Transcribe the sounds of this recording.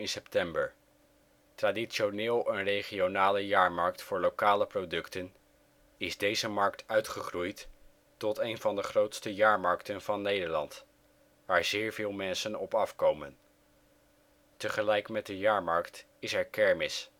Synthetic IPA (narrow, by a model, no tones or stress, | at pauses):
ɪnsɛp̚tɛmbəɹ | traːdiʃonɪːlˠənrejχionaːləjaːɹmɑɹk̚tfʊːɹlowkaːləprowdɵktən | ɪzdejzəmɑɹk̚tœɥtχəχrujt | tɔtejnvɑndəχrowtstəjaːɹmɑɹktənv̥ɑnːejdəɹlɑnt | ʋaːɹzɪːɹvɪːlˠmɛnsənɔpɑfkowmən | təχəlɛjkmɛt̚dəjaːɹmɑɹkt | ɪsɛɹkɛɹmɪs